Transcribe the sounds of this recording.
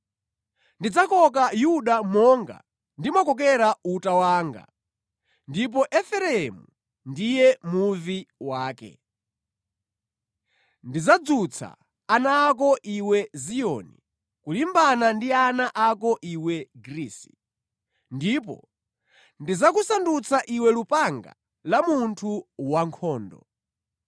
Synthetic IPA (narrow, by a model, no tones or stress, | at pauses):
ndid͡zakɔk̬ajuɗamɔŋɡa̰ | ndimɔkɔk̬ɛɾautawaːŋɡa̰ | ndip̬ɔʔɛfɛɾɛɛmu | ndijɛmuviwaːkɛ̰ | ndizad͡zut͡sʰa̰ | anaːk̬ɔʔiwɛzijɔːnḭ | kulimbanandianaʔakɔʔiwɛɡɾiːsi̥ | ndipɔ̰ | ndizakusandut͡sʰaʔiwɛlupaŋɡa̰ | lamuntʰuwaŋkʰɔːndɔ̰